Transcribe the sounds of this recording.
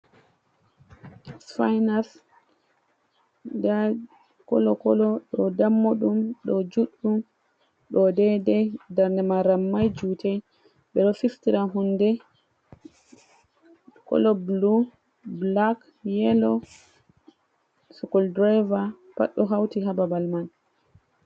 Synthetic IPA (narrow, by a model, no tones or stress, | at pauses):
sfajnas | da | kɔ̰lɔkɔlɔɗɔdamːoɗumɗɔd͡ʒuɗːum | ɗɔdɛdɛdaɾnɛmaɾamːajd͡ʒutɛ | ɓɛɗɔfistiɾaɦundɛ | kɔ̰lɔblu | blak | jɛlɔ | sukɔldɾajva | pa̰ɗːɔɦawtiɦababalman